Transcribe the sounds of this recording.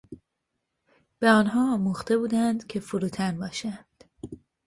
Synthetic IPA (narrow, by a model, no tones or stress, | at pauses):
b̥eɒːnɦɒːmuːxt̪e̞buːd̪ænd̪cʰe̞fuɾuːt̪ʰænbɒːʃænd̪̥